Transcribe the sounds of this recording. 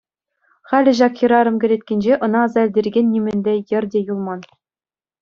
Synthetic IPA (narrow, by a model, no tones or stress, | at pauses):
χælʲɘ̆ʑ̬ɑkxĭɾɑɾɤ̆mkʲɘ̆ɾʲet̪ʲkʲenʲd͡ʑeʔɤ̆nɑːzɑɘ̆lʲdʲerɡʲenʲːimʲɘ̆nʲdʲejɘ̆rʲdʲejulˠmɑn